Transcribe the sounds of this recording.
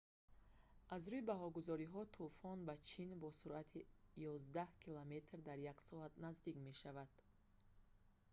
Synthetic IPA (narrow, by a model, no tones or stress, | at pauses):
ʔazɾuibaɦɔɡuzɔɾiɦɔt̪ʰufɔnbat͡ʃʰinbɔsuɾʔat̪ʰijɔzd̪ahkʰilame̞t̪ɾd̪aɾjaksɔat̪nazd̪ikme̞ʃavad̪̥